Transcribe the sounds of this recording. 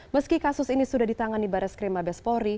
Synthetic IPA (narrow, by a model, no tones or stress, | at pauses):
məskikasʊsinisudahdit̪aŋanibaɾɛskɾemabɛspɔɾi